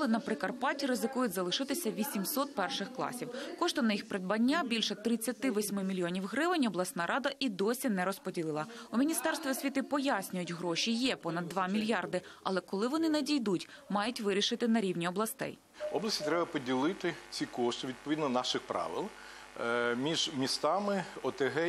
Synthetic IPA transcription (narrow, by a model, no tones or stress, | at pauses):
lˠɪnɐpɾɪkɐrpɑtʲiɾɪzɪkujʊtʲzɐlˠɪʃɪt̪ɪsʲɐʋʲisʲimsɔt̪̚pɛrʃɪxklˠɑ̰sʲiwkɔʃt̪ɔnɐjixpɾed̪̚bɐnʲːabʲilʲʃɛt̪ɾɪt͡sʲːɐt̪ɪʋɔsʲmɪmʲilʲjɔnʲiwɦɾɪʋɪnʲɔblˠɐsnɑɾʔɑd̪ɐʔid̪ɔsʲinɛɾɔspɔdʲilˠɪlˠɐumʲinʲist̪ɛrst̪ʋʲiɔsʲʋʲit̪ɪpɔjasʲnʲʊjʊtʲɦɾɔʃijɛpɔnɐd̪ːʋɑmʲilʲjɑrd̪ɪɐ̰lˠɛkɔlˠɪʋɔnɪnɛdʲijd̪utʲ | mɑjʊtʲʋɪɾʲiʃɪt̪ɪnɐɾʲiwnʲiɔblˠɐst̪ɛ̰j | ɔblˠɐsʲtʲit̪ɾɛbɐpɔdʲilˠɪt̪ɪt͡sʲikɔʃt̪ɪʋʲid̪̚pɔʋʲid̪nɔnɑʃɪxpɾɑ̰ʋɪ̰lˠ | mʲiʒmʲist̪ɑmɪɔt̪eɦɛ